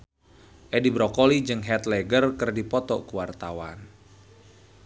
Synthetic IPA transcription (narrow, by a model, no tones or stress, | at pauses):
ʔɛdibɾɔkolid͡ʒɨŋɦɛt̪lɛɡərkɨrdipɔt̪ɔkuwart̪awan